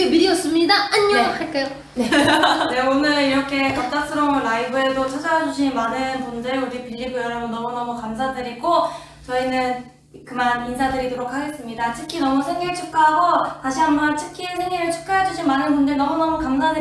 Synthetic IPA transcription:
emiɾiʌs͈ɯmɲidaaɲːkʰaɭk͈ajo | nene̞onɯɭiɾʌkʰe̞kap̚t͈as͈ɯɾʌmɯɾaibɯe̞sʰot͡ɕʰad͡ʑajad͡ʑuɕʰinmanɯnmund͡ʑe̞uɾipiʎːiɡojʌɾʌɡonʌmunʌmukamsʰadɯɾiɡo | t͡ɕʌinɯn | kɯmaninsʰadɯɾidoɾokʰaɡe̞s͈ɯmɲidatʰɯkʰːinʌmusʰeŋiɭt͡ɕʰup̚k͈aɦaɡotaɕʰiambat͡ɕʰɯ̥kʰiesʰe̞ŋiɾɯɭt͡ɕʰu̥k͈̚aɦed͡ʑuɕʰinmanɯnbundɯɭnʌmunʌmukamsʰadɯ

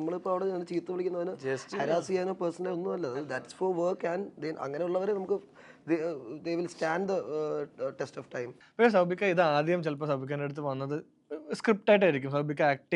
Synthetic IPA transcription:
nɐmːɐɭipːoɭɐʋiɽeɐːt͡ɕiːt̪ːɨʋiɭikʲːunːɐʋɐnɨsɐɾaːsijaːnoːpɐrsɐnɐleonːumɐlːɐɐðɐd̪ɐʈsfoʋɐːkɐnd̪enʔɐ̰ŋːɐneuɭːɐʋɐɾenɐmukːɨ | d̪ed̪eʋilstaːɳɖd̪ | ʈesʈoːfʈɐjm | pɐkʂes̬ɐbʱikʲːaiðɨaːd̪ʱjɐmt͡ɕelpːɐsɐbʱikʲːaːneɽut̪̬ːɨʋɐnːɐðɨ | skɾip̚ʈaːjiʈːajɾik̬ʲːumsɐbbʱikʲːaaːk̚ʈ

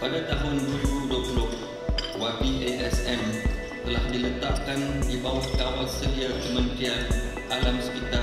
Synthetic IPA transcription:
padat̪aɦʊnd͡ʒuudoplʊʔ | wabiʔeʔɛsɛm | t̪əlahdilət̪aʔkandibawahkawalsəɾiakəmənt̪ian | ʔalamspit̪a

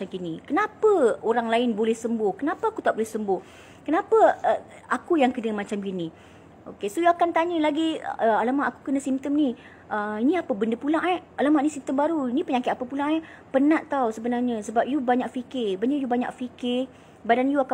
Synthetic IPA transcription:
amɡinĩkənapəoɾaŋlaɪnbolɛhsəmbʊhkənapaakut̪aʔbolɛhsəmbʊh | kənapəə | akujaŋkənəmat͡ʃamɡini | o̰kesojuakant̪aɲəlaɡiəalamaʔaku̥kənə̃simt̪əmni | ʔəinĩapəbəndəpulaŋʔaalamaʔinisimt̪əmbaɾuinipəɲakɪt̪apəpulãŋa | pənãʔt̪awsəbənarɲəsəbap̚jubaɲaʔ̚fikɪrbanaʔjubaɲa̰kfikɪr | badanjuaka

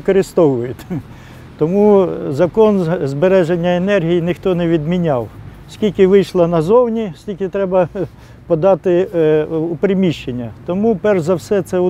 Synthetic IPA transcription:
kɔɾɪst̪ɔʋʊjʊt̪ʲ | t̪ɔmuzɐkɔnzbeɾɛʒenʲːɐenɛrɦʲijinɪxt̪ɔnɛʋʲid̪mʲinʲɑw | sʲkʲilʲkɪʋɪjʃlˠɐnɐzɔwnʲisʲkʲilʲkʲɪt̪ɾɛbɐ | pɔd̪ɑt̪ɪ | ʊpɾɪmʲiʃt͡ʃːenʲːɐt̪ɔmupɛrzɐwsɛt̪sɛ

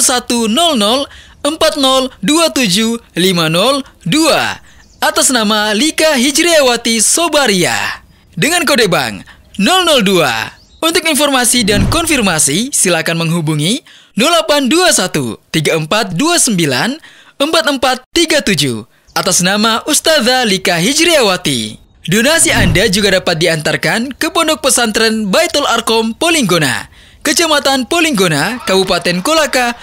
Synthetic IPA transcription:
sat̪unɔlnɔl | əmpat̪̚nɔlduat̪ud͡ʒulimanɔldua̰ | at̪asnamalikaɦid͡ʒɾiawat̪isobaɾia̰ | dəŋankodeba̰ŋ | nɔlnɔldua̰ | unt̪ʊkinfɔrmasidankɔnfirmasisilakanməŋɦubuŋi | nɔlːapanduasat̪ṵt̪iɡaəmpat̪̚duasəmbila̰n | əmpat̪̚əmpat̪ːiɡat̪ud͡ʒṵ | ʔat̪asnamaʔust̪aðalikaɦid͡ʒɾiawat̪ḭ | donasiandad͡ʒuɡadapat̪̚diant̪arkankəpɔndɔk̚pəsant̪ɾɛnbajt̪əlarkɔmpoliŋɡona̰ | kət͡ʃamat̪anpoliŋɡonakabupat̪ɛnkolaka

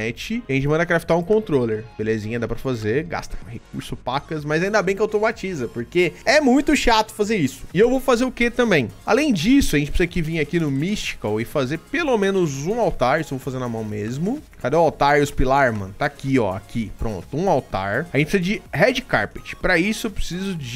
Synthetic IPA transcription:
ɛt͡ʃɪɐʒẽt͡ʃɪmɐ̃nd̪ɐkɾafi̥t̪aɾũkõnt̪ɾoleɾb̥elezĩɲɐd̪apɾɐfazeɡa̰st̪ɐ̥hek̚uɾsʊpakɐs̬mɐjzaĩd̪ɐbẽj̃kɪawt̪omat͡ʃizɐpoɾkeɛmũj̃t̪ʊʃat̪ʊ̥fazeɾisʊ̥ɪewvowfazeɾʊket̪ɐ̃mbẽj̃alẽj̃d͡ʒisʊɐʒẽt͡ʃɪpɾsizɐkɪvĩɲakinʊmist͡ʃi̥kɐwɪfazeɾpelomẽnʊzũawt̪aɾisewvowfazeɾnɐmɐ̃w̃mezmʊkad̪wawt̪aɾʊspilaɾmɐ̰̃nt̪akiɔ̰a̰kipɾõ̰nt̪ʊũawt̪a̰ɾɐʒẽt͡ʃpsizɐd͡ʒɪhɛd͡ʒɪka̰ɾpɪt͡ʃɪ̥pɾɐisʊewpɾe̥sizʊd͡ʒɪ

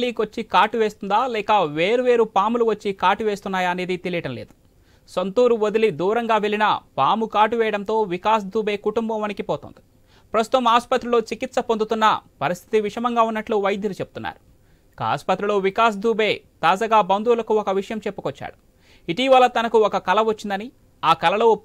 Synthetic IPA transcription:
liːkʋot͡ʃːikaːʈuʋeːst̪und̪aːlɛːkɐʋe̞ːɾuʋeːɾupaːmuluʋɐt͡ʃːikaːʈuʋe̞ːst̪unːaːjɐne̞ːd̪it̪e̞lijɐɽɐmle̞̰ːd̪u̥ | sɐnt̪uːɾuʋod̪ilid̪uːɾɐŋɡaːʋe̞linɐpaːmukaːʈuʋɛːjɐɽɐnt̪o̞ːʋikaːs̬d̪uːbe̞ːkuʈumbɐmʋɐnikipɔːt̪o̰ːnd̪i̥ | pɾɐst̪u̥t̪ɐmaːspɐt̪ɾiloːt͡ʃikit̪sɐpond̪ut̪unːɐpɐɾist̪ʰit̪iʋiʂɐmɐŋɡaːunːɐʈluːʋɐjd̪ʱjɐlut͡ʃe̞bu̥t̪unːa̰ːɾu | ka̰ːspɐt̪ːɾiloːʋikaːs̬d̪ʱuːbe̞ːt̪aːd͡ʒaːɡaːbɐnd̪uːlɐkuɔkɐʋiʂɐjɐmt͡ʃe̞pːu̥kɔt͡ʃːa̰ːɽu | iʈiːʋɐlːɐt̪ɐnɐkuɔkɐkɐlɐʋɐt͡ʃːind̪ɐni | aːkɐlɐlo̞ː

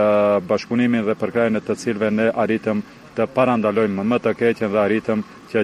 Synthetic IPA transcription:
baʃpuniminðɛpəɾkɾajənɛt̪ət͡silvɛnɛʔaɾit̪əm | t̪əpaɾand̪alɔjməmət̪əkɛcənðɛaɾit̪əm | cə

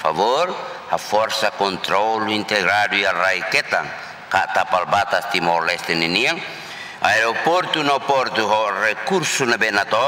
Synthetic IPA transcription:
fa̰vor | hafɔrsakɔnt̪ɾɔluint̪ɛɡɾadujaraikɛt̪an | kat̪apalbat̪ast̪imɔlɛst̪ɛniniaŋ | a̰ɛɾɔpɔrt̪unapɔrt̪uɦɔrɛkursunabɛnat̪ɔ

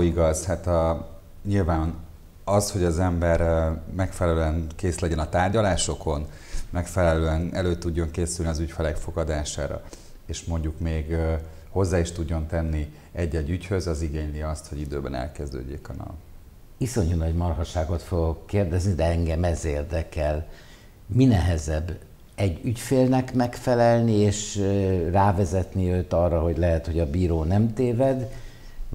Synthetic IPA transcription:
iɡɒzhat̪ɒ | ɲilvaːn | ɒsho̞ɟɒzɛmbɛrmɛkfɛlɛløɛnkeːslɛɟɛnɒt̪aːrɟɒlaːʃo̞ko̞n | mɛkfɛlɛløːɛnɛløːt̪uɟːo̞ŋkeːsylniɒzycfɛlɛkfo̞ɡɒd̪aːʃa̰ːɾɒ̰ | eːʃmo̞ɲɟukmeːɡ | ho̞zːaːiʃt̪uɟːo̞nt̪ɛnːi | ɛɟːɛɟːychø̞zɒziɡeːɲliɒst̪ho̞ɟid̪øːbɛnɛ̰lkɛzd̪ø̰ːɟeːkɒnɒ̰v | iso̞ɲunɒɟmɒrɦɒʃaːɡo̞t̪fo̞ɡo̞kːeːrd̪ɛznid̪ɛɛŋɡɛmɛzeːrd̪ɛkɛl | minɛɦɛzɛbː | ɛɟːycfeːlnɛkmɛkfɛlɛlnieːʃraːvɛzɛt̪niøːt̪ɒrːɒɦo̞ɟlɛɦɛt̪ho̞ɟɒbiːɾoːnɛmt̪eːvɛd̪

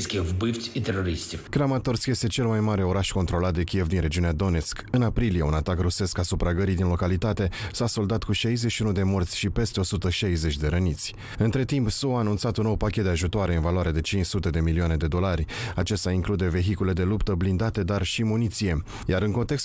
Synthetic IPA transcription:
skʲevbift̪sʲit̪eɾoɾist̪ʲkɾamat̪o̞rt̪skje̞st̪e̞t͡ʃe̞lmajmaɾe̞o̞ɾaʃko̞nt̪ɾo̞lat̪̚d̪ekʲie̞vd̪inɾe̞d͡ʒiunead̪o̞ne̞t̪skɨnapɾilijeunat̪akruse̞skasupɾaɡəɾid̪inlo̞kalit̪at̪e̞saso̞ld̪at̪kuʃajze̞ʃiunud̪e̞mo̞rt̪sʲʃipe̞st̪e̞o̞sut̪əʃajze̞t͡ʃʲd̪e̞ɾənit̪sʲ | ɨnt̪ɾe̞t̪impsuaːnunt̪sat̪unːowpakʲet̪d̪eaʒut̪oaɾe̞ɨnvaloaɾead̪e̞t͡ʃint͡ʃsut̪e̞d̪e̞milioane̞d̪e̞d̪o̞larʲat͡ʃe̞st̪aiŋklud̪e̞ve̞ɦikule̞d̪e̞lupt̪əblind̪at̪e̞d̪arʃimunit̪sije̞ | jaɾɨŋko̞nt̪e̞ks

